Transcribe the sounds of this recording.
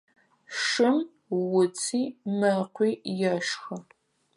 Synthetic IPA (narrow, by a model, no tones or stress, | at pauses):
ʂɨm | wʊt͡sʰiːmɐqʷiːjɐʃxɐ